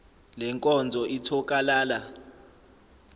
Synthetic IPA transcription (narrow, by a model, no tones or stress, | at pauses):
lɛŋkʼɔnd͡zʱɔʔitʰɔk̬ʼalaːla